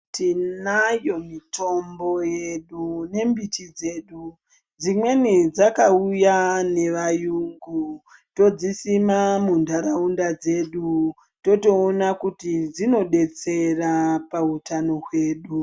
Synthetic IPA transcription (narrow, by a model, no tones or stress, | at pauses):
tʰinajo̞mitʰo̞mbo̞je̞ɗune̞mbitid͡ze̞ːɗu | d͡zimwe̞nid͡zakaujane̞ʋajuŋɡu | to̞d͡zisimamundʱaɾaundad͡ze̞ɗu | to̞to̞ːnakutid͡zino̞ɗe̞t͡se̞rapautano̞ɦwe̞ːɗu